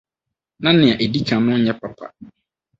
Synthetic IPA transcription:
nã˦nɪ̃˨a˨ʔe˨di˦kʰã˨nʊ̃˦ɲɛ˦pʰa˨pʰa̰˨

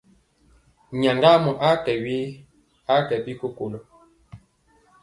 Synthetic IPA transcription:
ɲa˨ŋɡa˦mɔ˨ʔa˦kɛ˨wi˦ | a˦kɛ˨bi˦ko˦ko˨lo˨

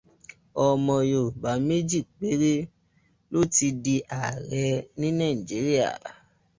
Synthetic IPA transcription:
ɔ˨mɔ̃˨jo˨ba˨me˦d͡ʒi˦˨k̚k͡pe˦ɾe˦ | lo˦˨ti˧di˧ʔa˨ɾɛ˨˧nĩ˦nã˦˨d͡ʒi˨˦ɾi˦a̰˦˨

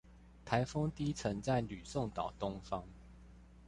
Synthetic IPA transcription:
t̪ʰa˨˦ɪfo˥ŋt̪i˦t͡sʰə˨˦ŋt͡sa˥˩ɪly˨˩so˥˨ŋt̪ɑ˨˩ʊt̪ʊ˦ŋfɑ˦ŋ

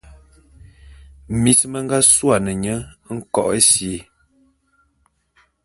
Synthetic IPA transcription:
mi˨smə˦ŋ˦ɡa˦swa˨nə˨ɲə˦ŋ̩˦kɔ̰˦˨ʔə˦si˨˦

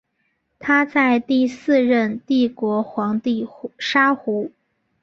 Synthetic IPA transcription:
t̪ʰa˥t͡sa˥˧ɪt̪i˥˧sɹ̩˥˧ɻə˥˧nt̪i˥˩kwɔ˧˥xwɑ˧˥ŋt̪i˥˩ʂa˥xu˧˥

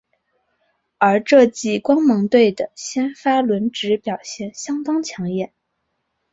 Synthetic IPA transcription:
ə˞˧˥ʈ͡ʂɤ˥˧t͡ɕi˥˩kwɑ˥ŋmɤ˧˥ŋt̪we˥˩ɪd̪ə˩ɕjɛ˥nfa˥lwə˧˥nʈ͡ʂɻ̩˧˥pjɑ˨˩ʊɕjɛ˥˩nɕjɑ˥ŋt̪ɑ˥ŋt͡ɕʰjɑ˧˥ŋjɛ˥˩˦n

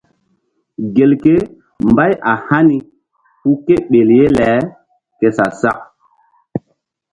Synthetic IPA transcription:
ɡe˨lke˦ | mba˦jʔa˨ha˦ni˦ | hu˦ke˦ɓe˨lje˦lɛ˨˦ | ke˨sa˨sa˦k̚

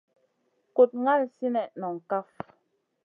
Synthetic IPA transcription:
ko˨t̚ŋa˦˨lsi˦nɛ˨ʔnɔ˨ŋ̩˨ka˦f

